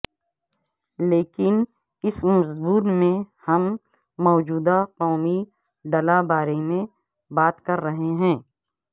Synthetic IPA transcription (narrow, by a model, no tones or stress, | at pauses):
leːkɪn | ɪsmʊzbuːɾmẽhɐmː | ɔːd͡ʒuːd̪aqɔːmi | ɖɐlabaːɾemẽ | baːt̪kɐɾːɐɦeɦɛ̃ː